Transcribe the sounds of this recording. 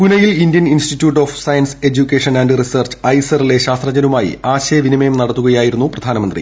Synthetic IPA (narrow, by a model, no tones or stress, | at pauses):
punɐjilindjɐninstitːjuːʈːo̞ːfsɐjɐnse̞d͡ʑukʲːeːʂɐnɐɳɖɨrisɐrt͡ɕɨ̥ɐjsɐrile̞ɕaːst̪rɐd͡ʑɐnumaːjḭaːɕɐjɐʋinimɐjumnɐɽɐt̪ːuɣɐjaːjiɾunːuprɐd̪ʱaːnɐmɐnd̪rḭ